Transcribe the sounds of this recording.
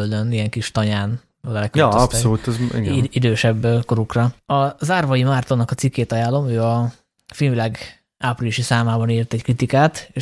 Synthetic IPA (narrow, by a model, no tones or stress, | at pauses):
øld̪ønijɛŋkiʃt̪ɒɲaːn | ɒɡɛlɛkøjɒɒp̪solut̪ɛzḭɡiid̪øːʃɛbːko̞ɾukrɒɒzaːrvɒjimart̪onːɒkɒt̪sikːeːt̪ɒjaːlːo̞møːɒ | filvilaːɡ | aːpriliʃisaːmaːbɒniːrt̪ɛckrit̪ikaːt̪eː